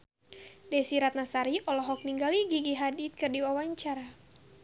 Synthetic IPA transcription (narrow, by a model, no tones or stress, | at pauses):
dɛsiɾat̪̚nasaɾiʔɔlɔɦɔk̚niŋɡaliɡiɡiɦadit̪̚kɨrdiwawaɲt͡ʃaɾa